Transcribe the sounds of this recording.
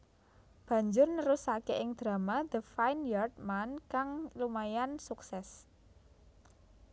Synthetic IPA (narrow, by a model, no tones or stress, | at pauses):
b̥ä̤ɲd͡ʒʊrnəɾusakeʔɪŋd̪̥ɾa̤mad̪̥əfajnjard̚mankaŋlumajansuksɛs